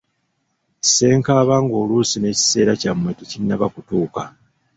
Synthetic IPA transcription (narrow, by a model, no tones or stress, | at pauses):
se̞ːŋkaːβaːŋɡo̞ːluːsine̞ːci̥se̞ːɾacamwe̞tecinːaβakutuːka